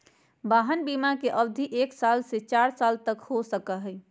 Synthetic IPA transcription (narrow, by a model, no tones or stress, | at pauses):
baɦənbimakeʔəbd̪ʱiʔeksalset͡ʃaɾsalt̪əkhosəkəɦə